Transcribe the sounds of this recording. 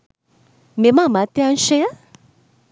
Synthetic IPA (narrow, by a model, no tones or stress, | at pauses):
memãmat̪iãn̩ʃea